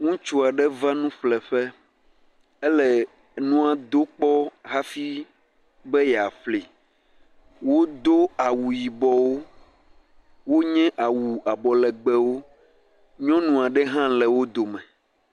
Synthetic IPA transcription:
ŋũ˦t͡ʃu˦a˨ɖɛ˦va˦nũ˦ɸlɛ˨ɸɛ˦ | ɛ˦lɛ˨ | nũ˦a˨d̪o˦k͡pɔ˦ɦa˦fi˦ | bɛ˦jɛ˨a˨ɸli˨ | wo˦d̪o˦a˨wu˨ji˨bɔ˨wo˦ | wo˦ɲɛ̃˦ʔa˨wu˨a˨bɔ˨lɛ˨ɡ͡bɛ˦wo˦ | ɲɔ̃˦nũ˨a˨ɖɛ˦ɦã˦lɛ˨wo˦d̪o˨mɛ̃˨

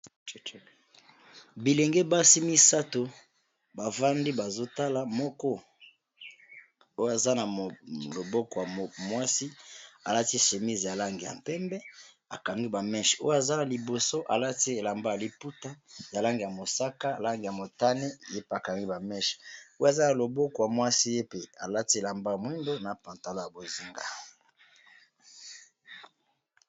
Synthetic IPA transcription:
bi˨le˨ŋɡe˦ba˦si˦mi˦sa˦to˨ | ba˨va˦ndi˦ba˨zo˦ta˦la˨mɔ˦kɔ˦ | o˦ja˨za˦na˨lo˨bɔ˦kɔ˨ja˨mwa˦si˦a̰˨la˦ti˦ʃe˨mi˦zja˨la˦ŋɡi˨ja̰˨m˨pɛ˦mbɛ˦ | a˨ka˨ŋɡi˦ba˨mɛ˦ʃo˦ja˨za˦na˨li˨bo˨so˦ʔa̰˨la˦ti˦e˨la˨mba˦ja˨li˦pu˦ta˦ja˨la˦ŋɡi˨ja˨mo˨sa˦ka˦˨la˦ŋɡi˨ja˨mo˨ta˦ne˦je˦pe˨a˨ka˨ŋɡi˦ba˨mɛ˦ʃo˦jza˦na˨lo˨bo˦ko˨ja˨mwa˦si˦je˦pe˨a˨la˦ti˦e˨la˨mba˦ja˨mwi˦ndo˦na˨pã˨nta˨lo˦ja˨bo˨zi˦ŋɡa̰˨

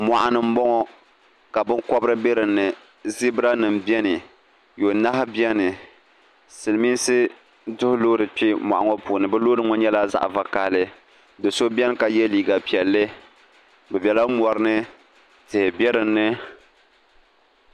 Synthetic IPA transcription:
ma˨ʔa˨nɨ˨m̩˦bɔ˦ŋɔ˦ | ka˨bɨ˦ŋkɔ˦bɨ˦ɾɨ˦bɛ˦ɾɨ˨nːɨ˨ | zi˦bɨ˦ɾa˦nɨ˨m˨bi˦ɛ˦nɨ˨ | jo˨na˦hɪ˦bɛ˦nɨ˨ | sɨ˨lmi˦n˦sɨ˦ | dʊ˦hʊ˦loː˦ɾɨ˨pi˦ma̰˨ʔa˨ŋɔ˦puː˨nɨ˨bɛ˦loː˦ɾɨ˦ŋɔ˦ɲɛ˦la˦za̰˦ʔva˦ka˨hlɨ˦ | dɨ˨so˦bɛ˦nɨ˦ka˨jɛ˦liː˨ɡa˨pi˨ɛ˨lːɨ˦ | bɛ˨bɛ˨la˦mɔ˨ɾɨ˦nɨ˦ | tɨ˨hɪ˨bɛ˦ɾɨ˨nːɨ˦

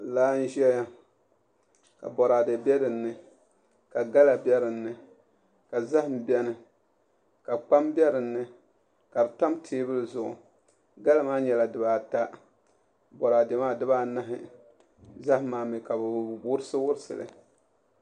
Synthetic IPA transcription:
laː˦n̩˦ʒɛ˦a˦ | ka̰˨bɔ˨ɾaː˨dɛ˨bɛ˦dɨ˨nːɨ˨ | ka˨ɡa˦la˨bjɛ˦ɾɨ˨nːɨ˨ | ka˨za˦hm̩˨bɛ˦nɨ˨ | ka˨k͡pa˦mbɛ˦ɾɨ˨nːɨ˦ | ka˨ɾɨ˨ta˦mtʰeː˦bɨ˦lɨ˨zʊ˨ʔʊ̰˨ | ɡa˦la˦maː˦ɲɛ˨la˨dɨ˨baː˨ta˦ | bɔ˨ɾa˨de˨maː˦˨dɨ˦baː˦na˦ɦɪ˦ | za˦hmaː˨mi˨ka˨bwʊ˦ɾɨ˦sɨ˦wʊ˦ɾɨ˦sɨ̰˨lɨ̰˨

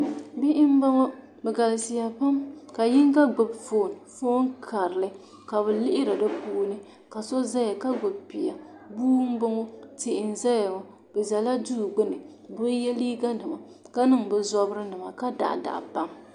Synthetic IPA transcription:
bi˦ʔɪ˦m˦ba˦ŋɔ˦ | bɛ˨ɡa˨lsɪ˨ja˨pa˦mka˨ji˦ŋɡa˦ɡ͡bʊ˨bfoː˨n˨fo˦ŋ˦kʰa˨ɾɨ˨lɨ˦ | ka˨βɛ˨lɪ˦ʔɪ˦ɾɨ˨dɨ˦puː˦nɨ˦ | ka˨so˦za˦ja˨ka˦ɡ͡bʊ˨b̚pi˨ja˨ | buː˦m˦bʊ˦ŋɔ˦tɪ˨ʔɪ˨n̩˨za˦ja˨ŋɔ˨ | bɛ˨za˨la˦duː˦˨ɡ͡bʊ˦nɨ˨ | bʊ˦jɛ˦li˦ɡa˦dɨ˨ma˨ | ka˦nɨ˦˨ŋbɛ˨zɔ˦bɾɨ˦nɨ˨ma˨ka˦da̰˨ʔda̰˨ʔpa˦m

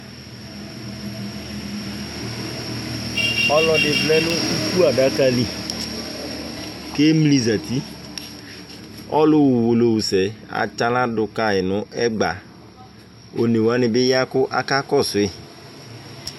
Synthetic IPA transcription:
ɔ˦lɔ˨˦ɖɪ˨vlɛ˦nʊ̃˦u˦ku˦a˨ɖa˦ka˦li˦ | ke˦mli˦za˨t̪i˦ | ɔ̰˦lʊ˦wʊ˨wo˨lo˨wu˨sɛ˨a̰˨t͡ʃa˦lã˦dʊ˨ka˨ɪ˨nʊ̃˦ʔɛ˦ɡ͡ba̰˨ | o˨ne˨wa˦nɪ˨bɪ˦ja˦kʊ˦ʔa˨ka˦kɔ˦˨sʊ˨ɪ˦˨

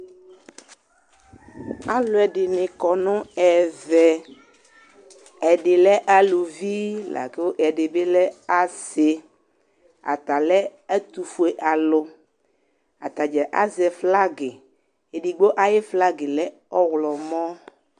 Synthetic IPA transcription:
a˦lo˨˦ɛ˨ɖɪ˨nẽ˨kɔ˨nɔ̃˦ɛ˨vɛ˨ | ɛ˨ɖe˨lɛ˦ʔa˦lu˨vi˦la̰˨ke˦wo˦ʔɛ˨ɖe˨be˦lɛ˦a˦se˨ | a̰˨t̪a˨lɛ˦ɛ˦t̪u˨fu˨e˨ʔa˨lo˦ | a̰˨t̪a˨d͡ʒɛ˨ʔa̰˦zɛ˨fla˦ɡe˨ | e˨ɖi˨ɡ͡bo˦ʔa˦je˦fla˦ɡe˨lɛ˦ | ɔ˦wlɔ˨mɔ̃˦

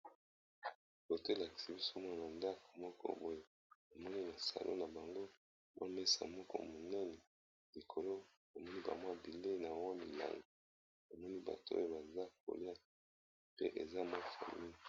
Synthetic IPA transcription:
bo˨to˦e˦la˨ki̥˨si˦bi˦so˦mwa˦na˨na˨nda˦ko̥˨mɔ˦kʰɔ̰˦bo˦je˦ | a˨mɔ˦ni˦na˨sa̰˨lʔo̰˦na˨ba˨ŋɡo˦ | mʔa̰˦me˦sa̰˨mɔ˦kɔ̰˦mo˨nɛ˦nɛ˨ | li˨kʰo˨lo˦ | ba˨mɔ˦ni˦ba̰˨mwa˦bi˨le˦na˨wa˦mḭ˨la̰˨ŋɡo˨ | ba˨mɔ˦ni˦ba̰˨to̰˦e˦ba˨za˦k̚o̰˨li˦a˦ | pḛ˦ʔe˨za˦mo˦fa̰˨mi˦i˨

